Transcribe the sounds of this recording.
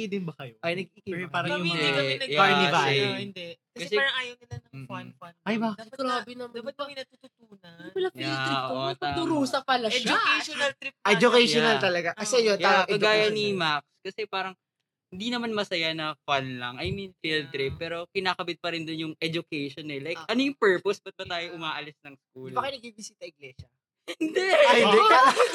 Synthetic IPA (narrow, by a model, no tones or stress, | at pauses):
id̪ɪnbɐkɐjoʔɐjnɐɡ̚ikipaːɾɐɪnd̪ɛnɐɡjaaɹniɐbaɛɪnd̪ɛkɐskɐɛsɛaɾɐŋaːjɐɪnɐnɐŋ̩ːanfanɐjbɐɡɾaːbɪnɐmɐbɐt̪̚bɐŋɪnɐt̪uːt̪ʊt̪uːnɐpɐlajialɾiʔotpɐat̪ʊɾuːsɐpɐlɐʃd͡ʒʊjʃnɐlt̪ɾip̚ɛd͡ʒʊkɛjonɐlt̪ɐlɐɡakɐsɛjonj̪aɐɡaːjɐnimakskɐsɛpaːɾɐŋ | hɪnd̪inɐmanmɐsɐjanɐfanlɐ̰ŋɐjminfilt̪ɾɪp̚ːɛːɾo̞kɪnaːkɐbɪt̪̚pɐɾɪnd̪ʊnjʊŋʔɛd͡ʒʊkɛjʃonɛlajkʔɐnojʊŋpɛɹposbɐt̪̚bɐt̪aːjoʔʊmaːʔɐlɪsnɐŋskuːlbɐkɐnɐɡ̚bibɪsiːt̪ɐɪɡlɛʃɐ | hɪnd̪ɛɐj̪ɛa